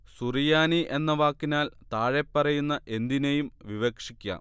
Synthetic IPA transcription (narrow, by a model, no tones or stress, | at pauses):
surijaːniʔe̞nːɐʋaːkːinaːlt̪aːɻepːɐrɐjunːɐʔe̞nd̪inejumʋiʋɐkʂikʲːa̰ː